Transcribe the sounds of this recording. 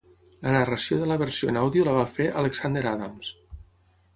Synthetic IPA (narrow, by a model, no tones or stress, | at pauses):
lənarəsjoðələβəɾsijoenawðiuləβ̞afeʔaləksand̪eɾaðams